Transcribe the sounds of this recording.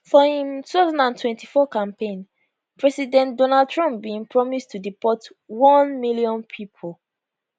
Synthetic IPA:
fɔhĩmtutaʊzãndãntwɛ̃ntifɔkãmpẽn | pɹɛsidɛ̃ntdɔnad̚tɹɔ̃mp̚bĩŋpʰɹɔmistudipɔt | wɔ̃nmiliɔ̃npʰipʰol

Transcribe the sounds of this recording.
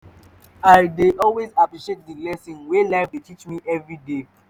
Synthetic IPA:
aɪdeɔlwezapɹiʃet̚dəlɛsĩnwelaɪfdetʰit͡ʃmiʔɛvɹide

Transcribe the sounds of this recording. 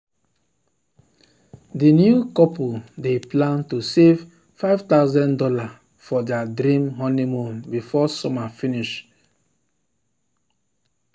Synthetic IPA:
dinjukɔpudeplãntusev | faɪvtaʊzɛ̃ndɔla | fɔdɛadɾĩmɦɔnimũmbifɔsɔmafiniʃ

